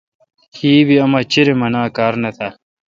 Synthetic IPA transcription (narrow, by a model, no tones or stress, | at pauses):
hiːbiɐmɐt͡ɕiɾemɐnaːkaːɾnɐt̪ʰa